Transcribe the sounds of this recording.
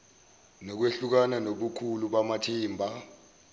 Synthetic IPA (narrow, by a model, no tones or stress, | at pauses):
nɔk̬weɬuk̬ananoɓukʰuluɓamatʰiːmbʱa